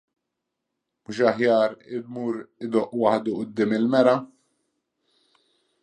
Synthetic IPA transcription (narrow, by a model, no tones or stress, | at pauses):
mʊʃ̬ɐħjɐːɾɪd̪muːɾɪd̪ɔʔwɐħd̪uʔʊd̪ːɪːmɪlmɛɾɐ